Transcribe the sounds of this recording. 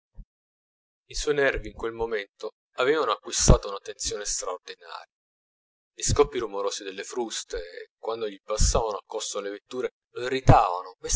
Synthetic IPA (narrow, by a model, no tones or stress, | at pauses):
iswɔjnɛrviːŋkwelmoment̪o | avɛːvanoakːwist̪aːt̪ounat̪ːent̪sjoːnest̪ɾaord̪ina̰ːɾja | ʎiskɔpːiɾumoɾoːsid̪elːefɾust̪ekwand̪oʎipasːaːvanoakːosolevet̪ːuːɾe | loirːit̪aːvanome